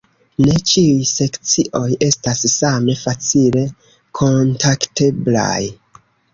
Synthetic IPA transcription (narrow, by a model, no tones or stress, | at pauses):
ne̞t͡ʃiujse̞kt͡siʔo̞je̞stassame̞fat͡sile̞ | kʰo̞ntakte̞bla̰j